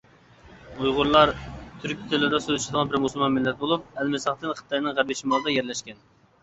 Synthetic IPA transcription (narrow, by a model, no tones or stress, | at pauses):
ujʁʊɾlˠɑɾt̪ʰyɾkʲi̥t̪ʰelˠʊd̪ɑsøzɪʃd̪əʁɑnbɪɾmusulˠmɑnmɪlːɛt̪̚bolˠup̚ɛlmɪsəχt̪ɨnqʰə̥t̪ʰɑjnɨŋʁæɾbɪʃimɑlˠd̪ɑjɛɾlɛʃkʲɛn